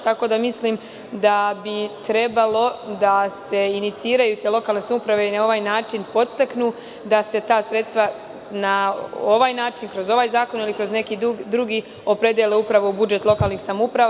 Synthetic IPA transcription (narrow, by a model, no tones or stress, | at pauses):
t̪ako̞d̪amisliːm | d̪abit̪ɾe̞balˠo̞d̪ase̞init̪siːɾajuːt̪eːlˠo̞kalne̞samupɾaʋe̞inao̞ʋaːjnaːt͡ʃinpo̞t̪st̪aknuː | d̪ase̞t̪aːsɾe̞t̪st̪ʋa | naoʋaːjnaːt͡ʃinkɾo̞zo̞ʋaːjzaːko̞nilikɾo̞zne̞kiːd̪ɾuɡiː | o̞pɾe̞d̪jeleupɾaʋo̞ubud͡ʒe̞t̪lˠo̞kaːlˠniːxsamoupɾa